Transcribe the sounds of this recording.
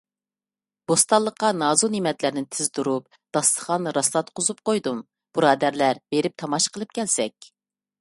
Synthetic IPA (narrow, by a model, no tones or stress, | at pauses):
b̥ost̪ɑlˠːəqːɑnɑːzonimɛt̪læɾnɪnt̪ʰɪzd̪uɾup | d̪̥ɑst̪ə̥χɑnɾɑslˠɑt̪qʰozup̚qojd̪um | b̥uɾɑːd̪æɾlæɾbeɾɪp̚t̪ʰɑmɑʃqʰəlˠɨp̚kʲɛlsɛkʲ